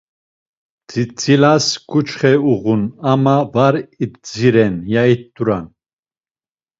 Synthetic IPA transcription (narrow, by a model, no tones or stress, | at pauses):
d͡zit͡silaskut͡ʃχɛuʁunamavaɾit̪d͡ziɾɛnjait̪̚d̪uɾa̰n